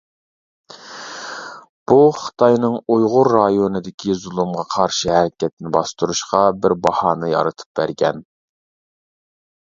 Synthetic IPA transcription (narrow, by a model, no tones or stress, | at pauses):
b̥uχɨ̥t̪ʰɑjnɨŋujʁʊɾːɑjonɨd̪ɪkʲʰizulˠumʁɑqʰɑɾʃɨɦæɾɪkʲɛt̪ɪnɪbɑst̪uɾuʃqɑbɪɾbɑhɑːnɨjɑ̰ɾɨt̪ʰɨ̥p̚bæ̰ɾɡʲɛ̰n